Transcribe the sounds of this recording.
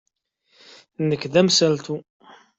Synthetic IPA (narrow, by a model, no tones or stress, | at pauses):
nəkːðæmsælt̪u